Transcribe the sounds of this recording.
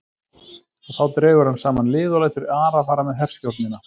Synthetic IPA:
ɔɣθawt̪ɾɛːɣʏɾ̥hansaːmanlɪːðʏlajt̪ʏɾaːɾafaːɾamɛðɦɛr̥scowɾt̪nɪna

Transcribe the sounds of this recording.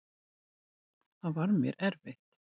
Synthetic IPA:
haðvaɾmjɛ̰ɾʔɛɾveht̪

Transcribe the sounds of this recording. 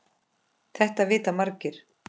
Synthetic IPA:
θɛht̪avɪːt̪amaɾcɪɾ̥

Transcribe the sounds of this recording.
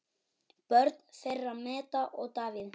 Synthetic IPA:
pœɾt̪nferːamɛːt̪aʔɔɣt̪aːvɪð

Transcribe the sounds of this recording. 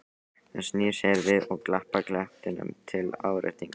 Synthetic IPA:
ɛnsniːsɛɾvɪðɔɣklahpaklɛht̪ɪnʏ̰mt̪ʰɪla̰ːwɾɪ̰ht̪iŋk

